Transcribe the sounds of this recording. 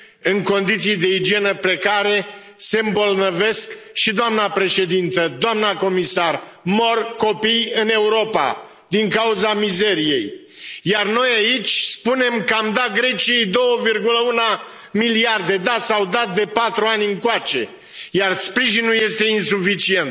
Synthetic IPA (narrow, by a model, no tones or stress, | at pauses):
ɨŋko̞nd̪it̪sijd̪e̞id͡ʒie̞nəpɾe̞kaɾe̞ | se̞mbo̞lnəve̞skʃid̪oamnapɾe̞ʃe̞d̪int̪əd̪oamnako̞misar | mo̞rko̞pijɨne̞uɾo̞pa̰ | d̪iŋkauzamize̞ɾije̞̰j | jarno̞jait͡ʃʲspune̞mkəamd̪aɡɾe̞t͡ʃie̞jd̪o̞wəvirɡuləuna | miliard̪e̞d̪at̪sawd̪at̪̚d̪e̞pat̪ɾuanʲɨŋkoat͡ʃe̞ | jarspɾiʒinulje̞st̪e̞insufit͡ʃie̞nt̪